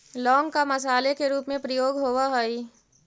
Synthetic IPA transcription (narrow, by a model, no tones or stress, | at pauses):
lɔːŋɡkamɐsaːlekeɾuːpmẽpɾɐjoːɡɦoːwaɦoi